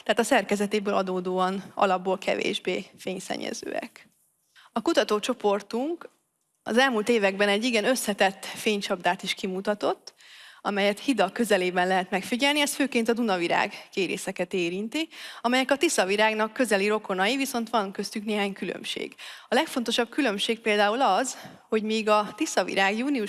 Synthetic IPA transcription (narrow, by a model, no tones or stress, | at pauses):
t̪aɦaːt̪ɒsɛrkɛzɛt̪eːbøːlɒd̪oːd̪oːɒnɒ̰lɒbːoːlkʰɛ̰vḛːʒbeːfeːɲsɛ̰ɲːɛ̰zø̰ːɛ̰k | ɒkut̪ɒt̪oːt͡ʃo̞po̞rt̪uŋk | ɒ̰zɛlmuːlt̪eːvɛɡbɛnɛɟːiɡɛnø̞sːɛt̪ɛt̪ːfeːɲt͡ʃɒbd̪aːt̪iʃkimut̪ɒt̪o̞t̪ː | ɒmɛjɛt̪hid̪ɒkø̞zɛleːbɛnlɛɦɛt̪mɛkfiɟɛlniɛst̪føːkeːnt̪ɒd̪unɒviɾa̰ːɡkeːɾḛːsɛkɛt̪eːɾint̪iɒmɛjɛkɒt̪isɒviɾaːɡnɒkːø̞zɛliɾo̞ko̞nɒjiviso̞nt̪ʋɒŋkø̞st̪ykneːɦaːɲkylø̰mʃḛːɡɒlɛkfo̞nt̪o̞ʃɒb̚kylø̞mʃeːk̚peːld̪aːulɒz | ho̞ɟmiːɡɒt̪isɒvḭɾaːɡjuːniu